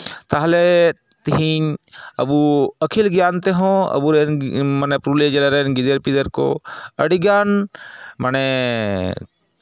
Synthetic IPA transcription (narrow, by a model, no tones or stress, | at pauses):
t̪aɦle | t̪iɦiɲɐ̰buɐkʰilɡjaːnt̪eɦõɐ̰buɾenmɐnepɾuːled͡ʒɐleɾeːnɡɪd̪eɾpid̪eɾko̰ɐɽiɡjaːnmɐne